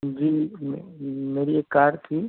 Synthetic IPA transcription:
d͡ʒiːmmeːɾieːkːaːɾɖt̪ʰiː

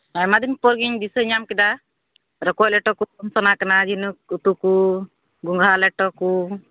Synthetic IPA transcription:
ajmad̪impɔɾɡiɲd̪isəɲamkɛd̪a | ɾəkɔjlɛʈɔkuumsɔnakanad͡ʒinuut̪uku | ɡuŋɡʱaɾalɛʈɔku

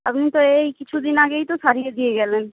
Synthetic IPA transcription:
ɐbnit̪oeikɪt͡ʃʰud̪ɪnaːɡeit̪osaːɾied̪ieɡɛːlɛːn

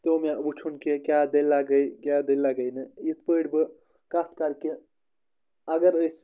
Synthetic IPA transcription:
t̪emebut͡ʃʰunkekʲjad̪ellaɡəjkjad̪ellaɡəjnɨit̪̚pəɽbɨ | kat̪kaɾke | ɐɡəɾəjs

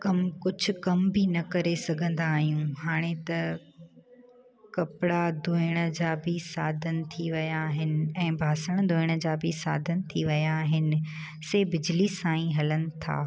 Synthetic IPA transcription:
kɐmkʊd͡ʑʱʊ̆kɐmbʱinɐkɐɾesɐɡʱə̃nd̪aːɦijũɦaːɽ̃et̪ɐ | kɐpɪɽad̪oɪɽ̃ə̆d͡ʑaːbʱɪsaːd̪ʱənɪ̆t̪ʰiʋɐjaːɦɪnɪ̆ɛ̃ːbʱaːsəɽ̃d̪ʊɪɽ̃ə̆d͡ʑaːbʱisa̰ːd̪ʱənɪ̆t̪ʰiʋɐjaːɦɪnɪ̆ | seːbɪd͡ʑlisãːĩɦɐlənɪ̆t̪ʰa̰ː

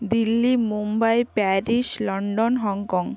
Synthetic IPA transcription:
d̪ilːimumbajpɛɾiʃlɔɳɖonɦɔŋkɔŋ

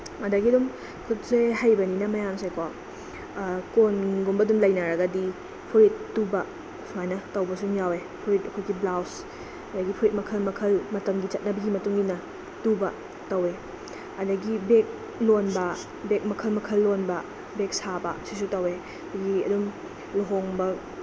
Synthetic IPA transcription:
ɐdɐɡiɐdum | kʰut̚sehajbɐninɐmɐjamsekwa | konɡumbɐdumlɐjnɐɾɐɡɐdi | pʰuɾit̚ːubɐ | suajnɐtɐwbɐsuŋjawe | pʰuɾit̚ɐkʰojɡiblaws | ɐdɐɡipʰuɾit̚mɐkʰɐlmɐkʰɐlmɐtɐmɡit͡ʃɐt̚nɐbɐɡimɐtuŋinɐ | tubɐ | tɐwe | ɐdɐɡibek̚ | lonbɐ | bek̚mɐkʰɐlmɐkʰɐlːonbɐ | bek̚sabɐ̰sisutɐwe | ɐdɐɡiɐ̰dum | luɦoŋbɐ

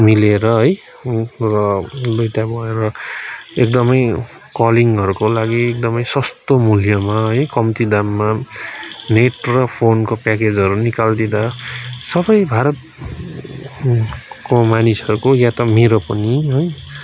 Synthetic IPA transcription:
mileɾʌɦʌj | rʌlojt̪abʱʌeɾʌ | ekd̪ʌmʌj | kʌliŋʌɾukolaɡiek̚d̪ʌmʌjsʌst̪omuljʌmaɦʌjkʌmt̪id̪amːa | neʈrʌpʰonkopaked͡zʌɾunikald̪id̪asʌbʌjbʱaɾʌt̪̚ | komanisʌɾukojat̪ʌmeɾopʌniɦʌj

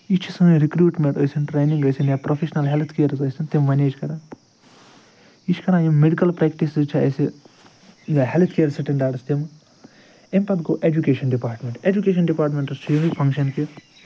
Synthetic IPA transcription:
it͡ʃʰisɨɾikɾuːʈmẽɳʈojsinʈɾeːnĩŋɡɐjsinjaːpɾofʰeʃnɐlɦelt̪ʰkejɐɾzɐsint̪emʋɐnʲeːt͡ʃʰkɐɾãː | it͡ʃʰkɐɾãːjimmːeɖikɐlpɾɛkʈisizt͡ʃʰiɐsi | jaɦelt̪ʰkeːɐɾsiʈiɳɖaːɖst̪em | empɐd̪ɡoːʔed͡ʒukeːʃɐnɖipaːɾʈmʲẽɳʈed͡ʒukeːʃɐnɖipaːɾʈmʲẽɳʈseːʋipʰɐ̃ŋkʃɐnki

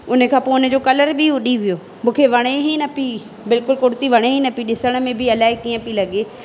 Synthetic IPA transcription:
ʊnəkʰãːpoːʊnə̆d͡ʑoːkɐləɾbʱiɦʊɗiʋijoː | mũːkʰeʋɐɽ̃eɦinɐpi | bɪlkʊlkʊɽt̪iʋɐɽ̃eɦinɐpiɗɪsəɽ̃̆mẽbʱɪɐlaːekiːə̃pilɐɠeː

